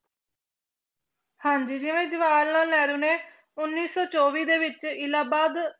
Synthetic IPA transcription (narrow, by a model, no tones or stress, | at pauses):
hãːɲd͡ʒiːd͡ʒɪʋẽːd͡ʒəʋaːlnaːnɛːɾũːneː | ʊnːiːsɔːt͡ʃɔːʋiːd̪eːʋɪt͡ʃɪlaːbaːd̪